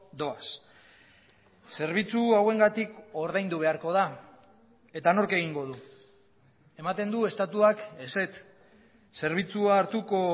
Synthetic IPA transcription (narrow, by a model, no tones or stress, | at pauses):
d̪o̞as | se̞ɾβ̞it͡suawe̞ŋɡat̪iko̞ɾðajnd̪uβ̞e̞aɾko̞ð̞a | e̞t̪ano̞ɾke̞ɣiŋɡo̞ðu | e̞mat̪e̞nd̪ue̞st̪at̪uake̞se̞t̪ | se̞ɾβ̞it͡suaːɾt̪uko̞